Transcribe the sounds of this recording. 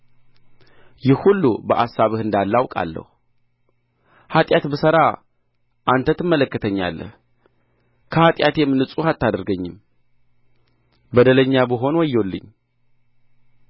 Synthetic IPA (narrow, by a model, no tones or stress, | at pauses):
jɪhhulːubəʔasːaβɨhɨnd̪alːawkʼa̰lːə̰hu | hat̪ʼjat̪bəsəɾa | ʔant̪ʰət̪ɨmːələkːət̪ʰəɲːa̰lːə̰h | kʰəhat̪ʼjat̪jɛmːɨnɨsʼuhat̪ːad̪əɾɡəɲːɪm | bəd̪ələɲːabɨɦo̞nwɔjːolːɨ̰ɲː